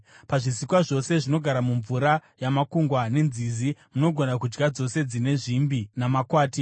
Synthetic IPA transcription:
paʐisikwaʐo̞se̞ʐino̞ɡʱaɾamuɱvuɾajamakuŋɡwane̞nzizimuno̞ɡʱo̞nakud͡ʒɡad͡zo̞se̞d͡zine̞ʐimbinamakwaːti

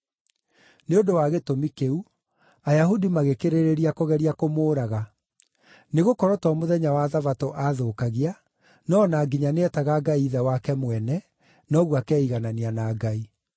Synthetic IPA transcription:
neondowaɣetomikeu | ajaɦudimaɣekeɾeɾeɾiakoɣɛɾiakomoːɾaɣa | neɣokɔɾɔtɔmoðɛɲawaðavatoʔaðoːkaɣia | nɔːnaːɡiɲaneɛtaɣaɡaiːðɛwakɛmwɛnɛ | nɔɣwakɛiɣananianaɡai

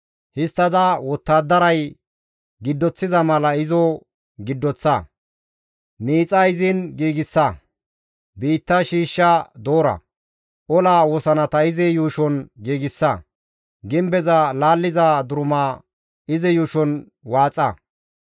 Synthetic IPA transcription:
hɪst̪ːɐd̪ɐwɔt̪ːaːd̪ːɐɾɐj | ɡɪd̪ːɔt͡sːɪzɐmɐlɐɪzɔ | ɡɪd̪ːɔt͡sːɐ | miːt͡sʼːɐɪzɪnɡiːɡɪsːɐ | biːt̪ːɐʃiːʃːɐd̪oːɾɐ̰ | ʔɔlaːwɔsɐnɐt̪ɐɪzɛjuːʃɔnɡiːɡɪsːɐ | ɡɪmbɛzɐlaːlːɪzad̪ʊɾʊmaː | ɪzɛjuːʃɔn | waːt͡sʼːɐ̰

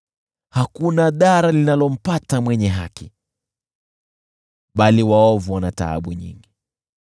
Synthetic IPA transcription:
hakunaɗaɾalinalɔm̩patamwɛɲɛɦaki | ɓaliwaɔvuwanata̰a̰ɓuɲḭŋɡi

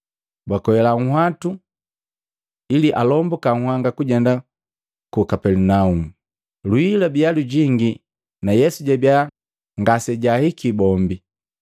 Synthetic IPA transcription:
bwakɔɛlaŋ̩hwatu | iliʔalɔmbɔkaŋ̩hwaŋɡakuɟɛnda | kukapɛlunaumu | luilabialuɟiŋɡi | najɛsuɟabija | ŋɡasɛɟahikibɔmbi

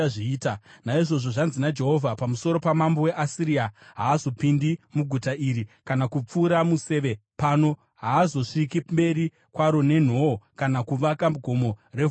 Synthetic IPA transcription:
ʐiːtanaiʐo̞ʐo̞ʐanzinad͡ʒe̞ɦo̞vʱapamuso̞ɾo̞pamambo̞we̞ʔasiɾiaɦaːzo̞pindimuɡʱutaiɾikanakup͡fuːɾamuse̞ʋepano̞ | ɦaːzo̞ʂikimbe̞ɾi | kwaɾo̞ne̞n̤okanakuʋakaɡʱo̞mo̞re̞

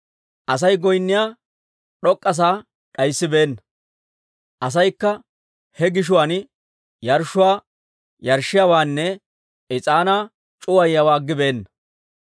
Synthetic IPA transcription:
ʔɐs̬ɐjɡɔjnːɪjaː | ɗɔkʼːɐs̬aː | ɗɐjsːɪbe̞ːnːɐ | ʔɐs̬ɐjkːɐ | hɛɡɪʃ̬ʊwan | jɐɾʃʊwaː | jɐɾʃːɪjaːwaːnːɛ | ɪt͡sʼaːnaː | t͡ʃʼʊwɐjːɐwaːɡːɪbe̞ːnːɐ

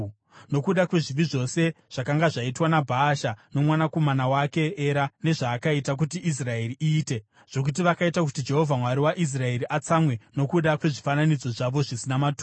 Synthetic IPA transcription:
no̞kuɗakwe̞ʐiʋiʐo̞se̞ʐ̥akaŋɡaʐaitwanabʱaːʃano̞mwanako̞manawake̞eɾane̞ʐaːkaitak̬utiʔis̬rae̞riʔiːte̞ | ʐ̥o̞k̬ut̬iʋakaitak̬utid͡ʒe̞ɦo̞vʱamwaɾiwaʔis̬rae̞ɾiʔat͡samwe̞no̞kuɗakwe̞ʐifananid͡zo̞ʐaʋo̞ʐisinamatu

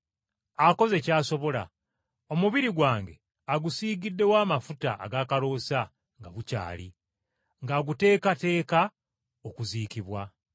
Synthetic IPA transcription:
ako̞ze̞caːso̞βo̞la̰ | o̞muβiɾiɡwaːŋɡe̞ | aɡusiːɡidːe̞waːmafuta̰ːɡaːkalo̞ːsa | ŋɡaβuca̰ːlḭ | ŋɡaɡute̞ːkate̞ːka | okuziːkiβwa

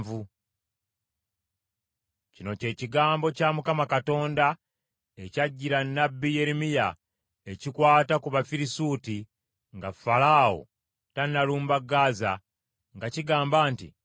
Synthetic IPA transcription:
vu | cino̞ce̞ːciɡaːmbo̞camukamakato̞ːnda | ecaɟːiɾanːabːije̞ɾimija | e̞cikwaːtakuβafiɾisuːti | ŋɡafalaːwo̰ | tanːaluːmbaɡaːza | ŋɡaciɡaːmbaːntḭ

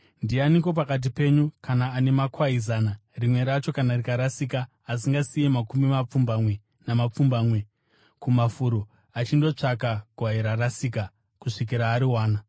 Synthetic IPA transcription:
ndianiko̞p̬akat̬ipe̞ɲukanaːne̞makwaizanarimwe̞ɾat͡ʃo̞kanarikaɾasikaː | s̬iŋɡasijemakumimap͡fumbamwe̞ | namap͡fumbaːmwe̞ | kumafuɾo | at͡ʃindo̞t͡ʂakaɡʱwaiɾarasiːk̬a | kuʂik̬iɾaːɾiwaːna

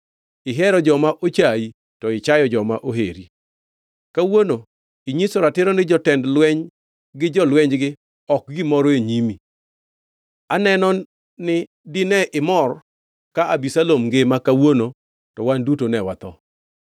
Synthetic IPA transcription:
ɪɦɛɾɔd͡ʒɔmaʔot͡ʃai | tɔɪt͡ʃajɔd͡ʒɔmaʔoɦeɾi | kawono | iɲisoɾatɪɾɔnɪd͡ʒɔtɛndlwɛɲ | ɡɪd͡ʒɔlwɛɲd͡ʒɡɪ | ɔk̚ɡɪmɔɾeɲimi | anɛnɔ | nɪ | dɪnɛʔɪmɔr | kaabisalomŋɡemakawono | tɔwandutonɛwat̪ɔ

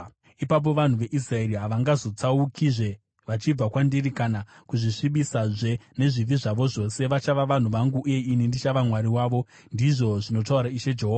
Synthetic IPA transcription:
ipap̬o̞ʋan̤uʋe̞ʔis̬rae̞ɾiɦaʋaŋɡazo̞t͡saukʰiʐe̞ | ʋat͡ʃib͡vakwandirikanakuʐiʂiɓisaʐene̞ʐiviʐaʋo̞ʐo̞se̞ʋat͡ʃaʋaʋan̤uʋaŋɡuʔuje̞inindit͡ʃaʋamwaɾiwaːʋo | ndiʐo̞ʐino̞t̬auɾaiʃe̞d͡ʒe̞ɦoa

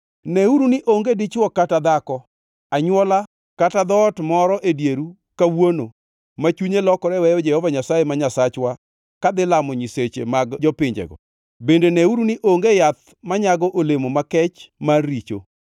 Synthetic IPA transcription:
nɛuɾunɪʔoŋɡedɪt͡ʃwɔkatad̪akɔ | aɲwɔla | katad̪ɔtmɔɾɔʔedjeɾu | kawono̰ | mat͡ʃuɲelɔkɔɾɛwɛjɔd͡ʒɛhɔvaɲasajemaɲasat͡ʃwa | kad̪ɪlamɔɲiset͡ʃḛmaɡd͡ʒɔpɪɲd͡ʒɛ̰ɡɔ̰ | bendenɛuɾuniʔoŋɡejat̪̚ | maɲaɡɔʔolemomakɛt͡ʃmarːit͡ʃo̰

